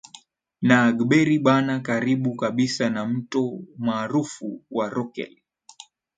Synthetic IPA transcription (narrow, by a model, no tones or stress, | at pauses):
naːɡɓɛɾiɓanakaɾiɓukaɓisanam̩tɔmaːɾufuwaɾɔkɛ̰l